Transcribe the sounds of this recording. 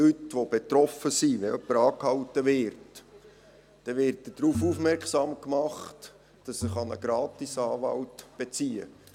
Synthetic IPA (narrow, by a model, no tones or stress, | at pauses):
lytʋob̥et̪rɔfəsiʋɛœpːəɾɑːkhɑwtəvɪrt | d̥ɛʋɪɾt̚dəd̥ɾuːfufmɛrksɑmkmɑχt | d̥ɑssəχɑnəɡ̥ɾɑːtisɑːʋɑ̰ltb̥et͡siːə̰